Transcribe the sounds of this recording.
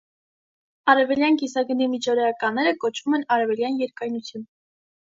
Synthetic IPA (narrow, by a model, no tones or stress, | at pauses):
ɑɾɛvɛljɑnɡisɑɡənimit͡ʃʰɔɾɛɑkɑnːɛɾəkɔt͡ʃʰvumɛnɑɾɛvɛljɑnjɛɾkɑjnut͡sʰjun